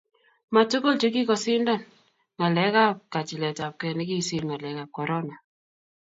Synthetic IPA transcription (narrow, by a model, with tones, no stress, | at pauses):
ma˨to˦ko˦˨lt͡ʃe˦k̬i˦kɔ˨sɪ˦ndɔ˦˨n | ŋa˨lɛ˨˦ka˦˨p̚ka˨t͡ʃi˨lɛ˨ta˨p̚kɛ˨ni˦ki˦si˦˨lma˨lɛ˨˦ka˨p̚kɔ˨ɾɔ˦na˨